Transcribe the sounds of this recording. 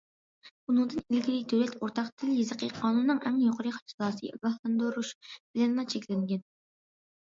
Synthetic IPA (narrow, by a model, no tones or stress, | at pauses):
unɨŋd̪ɨnilɡʲilid̪øwlɛt̪ʰoɾt̪ʰɑqt̪ʰɪljizəqʰəqʰɑːnunːɨŋɛmnjoqʰəɾɨχɑ̥t͡ʃʰlˠɑːsɨ̰ɑ̰ɡɑhlˠɑnd̪oɾuʃb̥ɪlɛnlˠɑt͡ʃʰekʲlɪŋɡʲɛn